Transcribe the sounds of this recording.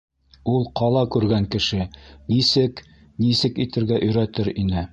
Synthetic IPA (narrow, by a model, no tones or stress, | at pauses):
ulˠqɑlˠɑkʉɾɡæŋkɘ̆ʃɘnisɘk | nisɘkit̪ɘ̆ɾɡæʔɵ̆jɾæt̪ɘɾinɘ